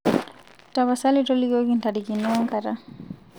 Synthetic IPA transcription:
taβasalitɔliɡoɡintadikinɔŋkaɾa

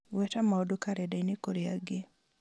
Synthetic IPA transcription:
wɛtamaɔdokaɾɛdainekoɾiaɡɪ

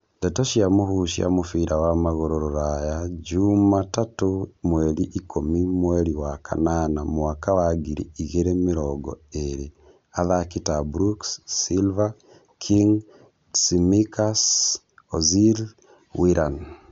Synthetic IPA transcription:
ndɛtoʃjamohuʃja̰mofiɾawamaɣoɾoɾoɾajad͡ʒumatatomwɛɾiʔikomimwɛɾiwakʰa̰nanamowakawaɡiɾḭiɣeɾemiɾɔɡɔ̰eɾe | aðakitabɾuksːilva | kʰiŋ | simikas | ozil | wiɾʔan

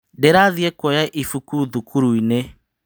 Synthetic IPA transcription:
deɾaðiɛkwɔjaʔifukuðukʰuɾuine

